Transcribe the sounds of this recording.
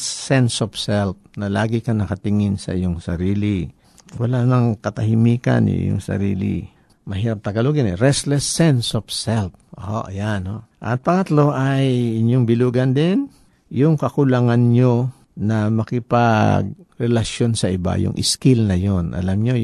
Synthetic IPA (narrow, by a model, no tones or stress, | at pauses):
sɛnsopsɛlp̚nɐlaːɡɪkɐnɐkɐt̪ɪŋɪnsɐ̰ʔɪjoŋsɐɾiːli | wɐlanɐŋkɐt̪ɐhɪmiːka̰njʊ̰ʔɪ̰jo̰ŋsɐ̰ɾḭːlḭ | mɐɦiːɾɐp̚t̪ɐɡɐluɡɪnɛɾɛst̪lɛsːɛnsofsɛlp̚ʔoʔoʔɐjanhoʔɐt̪̚pɐŋɐt̪lo̞ʔajɪɲjoŋbɪluːɡɐnd̪ɪn | jʊŋkɐkʊlaŋanɲo | nɐmɐkɪpaɡ̚ɾɛlɐʃjo̞nsɐʔɪba̰jʊ̰ŋʔɪ̰skɪlnɐjonʔɐ̰lamɲo